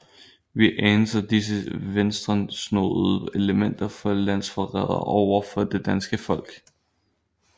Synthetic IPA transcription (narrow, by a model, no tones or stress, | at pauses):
ʋiʔeːnəsɐd̥is̬əʋensd̥ʁɐnsno̰ð̩ˠe̝ləmen̰d̥ɐfɒ̽læn̰sfɒʁɛ̰ð̰ˠɐ̰ʔɒʊ̰ɐfɒ̽d̥e̝d̥ænsɡ̥əfɒ̽l̰ɡ̥